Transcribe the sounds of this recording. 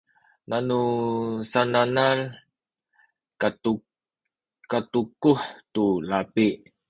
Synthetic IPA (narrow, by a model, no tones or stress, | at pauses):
nanusananal | katukuħtulapiʔ